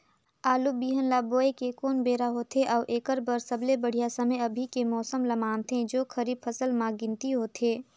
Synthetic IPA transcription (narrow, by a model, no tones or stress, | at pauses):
aːlubiːɦənlaːboːekekoːnbeːɾaɦoːt̪ʰeʔɔːʔeːkəɾbəɾsəblebəɽ̤ijasɐməjɐbʱikemɔːsəmlɐmaːnt̪ʰẽd͡ʒoːkʰəɾiːbfʰəsəlmãɡɪ̃nt̪iɦoːt̪ʰeː